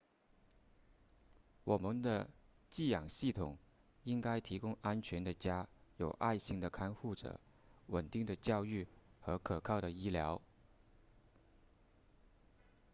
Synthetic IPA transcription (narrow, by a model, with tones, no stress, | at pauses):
wɔ˨˩mə˦˥nd̪ə˧ | t͡ɕi˥˩jɑ˨˩ŋɕi˥˩t̪ʰʊ˨˩˦ŋ | i˥ŋka˥ɪt̪ʰi˧˥kʊ˥ŋa˥nt͡ɕʰɥɛ˧˥nd̪ə˨t͡ɕja˥jo˨˩ʊʔa˥˧ɪɕi˥˩ŋd̪ə˩kʰa˥nxu˥˩ʈ͡ʂɤ̰˨˩˦ | wə˨˩nt̪i˥˩ŋd̪ə˩t͡ɕjɑ˥˧ʊy˥˩xɤ˧˥kʰɤ˨˩kʰɑ˥˩ʊɾə˩i˥ljɑ˧˥ʊ